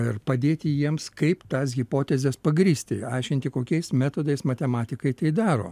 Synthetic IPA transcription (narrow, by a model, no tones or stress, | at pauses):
ɪrpɐd̪ʲeːt̪ʲɪjiɛmskɐɪpt̪ɑːsɣʲɪpoːt̪ʲɛzʲɛspɐɡɾʲiːsʲt̪ʲɪɐɪʃʲkʲɪnʲt̪ʲɪkoːkʲɛɪsmʲæːt̪oːd̪ɐɪsmɐt̪ʲɛmɑːt̪ʲɪkɐɪt̪ɐɪd̪ɑːɾo̰ː